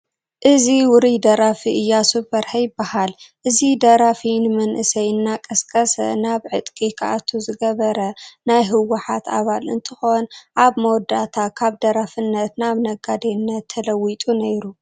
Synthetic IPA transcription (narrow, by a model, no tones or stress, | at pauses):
ʔɨziwʊɾid̪ɐɾafiʔɨjːasubɐɾħɐjɪbːahalʔɨzid̪ɐɾafinɨmɐnʔɨsɐjɨnːakʼɐskʼɐsɐ̰naβʕɨt̪ʼkʼikʰaʔat̪ʰuzɨɡɐβɐɾɐnajɦɨwːaħat̪a̰βalɨ̰nt̪ʰɨxo̞nʔaβmowd̪at̪ʰakʰaβd̪ɐɾafɨnːɐt̪naβnɐɡad̪enːɐt̪ʰːɐlɐwit̪ʼunejɾu